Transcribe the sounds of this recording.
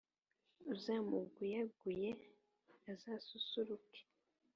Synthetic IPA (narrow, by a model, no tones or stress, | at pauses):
uzamuɡujaɡuje | azasusuɾuke̥